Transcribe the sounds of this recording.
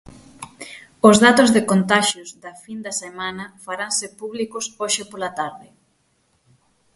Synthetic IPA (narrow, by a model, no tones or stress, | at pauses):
ozðat̪ozðekont̪aʃjozðɐfind̪ɐsemanɐfaɾaŋsepuβlikosoʃɪpolat̪aɾðɪ